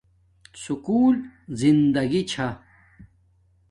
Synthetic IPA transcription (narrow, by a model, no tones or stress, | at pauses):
sukuːlzind̪ɐɡit͡ɕʰa